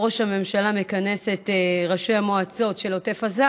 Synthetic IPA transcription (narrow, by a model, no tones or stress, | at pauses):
o̞ʃhame̞mʃalamekane̞se̞tʁaʃejamoat͡so̞tʃe̞lote̞faza